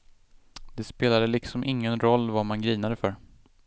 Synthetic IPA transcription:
d̪̥ɛspeːlad̪əlɪksɔmʔɪŋːənɾɔlːvamanɡɾiːnad̪əfœɾ

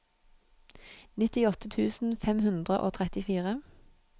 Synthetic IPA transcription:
nɪt̪ɪɔt̪ət̪ʰʉːsn̩fɛmhʉnd̪ʁə̰ʔo̰ːt̪ʰʁɛt̪ɪfiːʁə

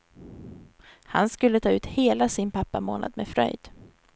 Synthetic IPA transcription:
ha̰nskɵlːət̪ʰɑːʉ̟ːt̪heːlasɪnpʰapːamo̰ːnʔa̰d̪mɛfɾœ̰jd̪̥

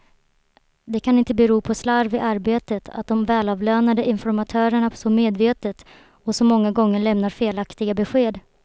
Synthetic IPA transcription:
d̪ɛkʰanɪnt̪əbɛɾuːpʰɔslaɾvɪʔaɾbeːt̪ət̪ʰa̰t̪̚d̪ɔmvɛːlɑːvløːnad̪əʔɪnfɔɾmat̪ʰœːɾəɳasɔmeːd̪veːt̪ət̪ | ɔsɔmɔŋːaɡɔŋːəɭɛmnaɾfeːlakt̪ɪɡabɛɧeːd̪

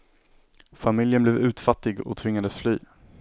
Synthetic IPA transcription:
famɪljənblɛːvʉ̟ːt̪fat̪ːɪɡɔ̰t̪ʰvɪŋːad̪əsflyː

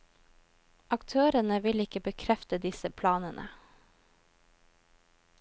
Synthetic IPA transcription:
ʔɑkt̪ʰøːɾənəʋɪlɪkəbəkʰɾɛft̪əd̪ɪsəpʰlɑːnənʔə̰

